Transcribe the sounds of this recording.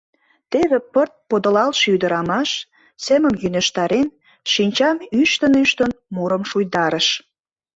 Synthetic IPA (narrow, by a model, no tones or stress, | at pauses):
t̪eβepərt̪̚pod̪əlɑlʃyd̪əɾɑmɑʃ | seməmjynə̆ʃt̪ɑɾen | ʃinʲt͡ɕɑmyʃt̪ənyʃt̪ənmuɾəmʃujd̪ɑɾəʃ